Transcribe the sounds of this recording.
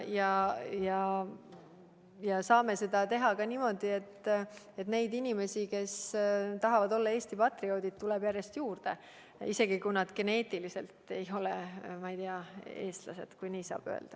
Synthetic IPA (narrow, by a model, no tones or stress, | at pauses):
jɑjɑ | jɑsɑːme̞se̞d̪ɑt̪e̞ɦɑkɑnimo̞d̪ie̞t̪ː | et̪ne̞jd̪inʲime̞sike̞st̪ɑɦɑvɑd̪o̞lːɑe̞ːst̪ipɑt̪rio̞ːd̪id̪̚t̪ulɛb̥jærje̞st̪juːrd̪̥e̞ | ise̞ɡ̥ikujnɑd̪ke̞ne̞ːt̪ilise̞lt̪e̞jo̞lemɑijt̪iɑe̞ːst̪lɑ̰se̞̰d̪̥kujniːsɑ̰ːb̥ø̰ḛld̪̥ɑ